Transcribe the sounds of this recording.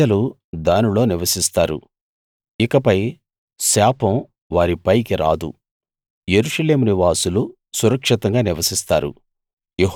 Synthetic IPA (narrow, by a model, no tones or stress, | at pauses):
ɐlu | d̪aːnilo̞ːniʋɐsist̪aːɾṵ | ikɐpɐj | saːpɐm | ʋaːɾipɐjkiɾa̰ːd̪ṵ | jeɾuʂɐle̞ːmuniʋaːsulu | suɾɐkʂit̪ɐŋɡaːniʋɐsist̪aːɾṵ | jeɦ